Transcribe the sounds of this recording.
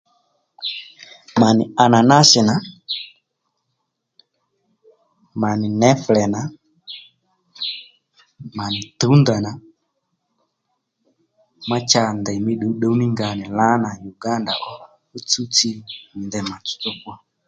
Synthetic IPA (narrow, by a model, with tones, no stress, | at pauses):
ma˨nɪ˨a˨na˨na˦sɪ˨na˨ | ma˨nɪ˨nɛ˦flɛ˨na˨ | ma˨nɪ˨tu˨˦nda˨na˨ | ma˦t͡ʃa˦ndɛ˨mi˦ɗu˨˦ɗo˨˦ni˦ŋɡa˨nɪ˨la˦na˨ju˨ɡa˦nda̰˨ʔɔ˦ | u˦t͡su˦t͡si˦mɪ˨ndɛ˨ma˨t͡sʊ̥˨˦t͡sʊ˦kɔ˦